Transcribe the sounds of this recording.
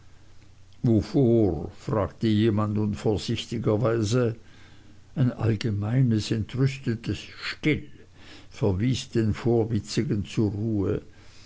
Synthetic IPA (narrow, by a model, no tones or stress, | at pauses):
vofoːʁfʁ̥aːktəjeːmandnʊnfoːɐz̥ɪçtɪɡɐvaɪzə | aɪnʔa̰lɡəmaɪnəsɛntʁʏstətʰəsʃtɪl | fɛɐviːsd̥eːnfoːɐvɪt͡sɪɡənt͡suːɐʁuːə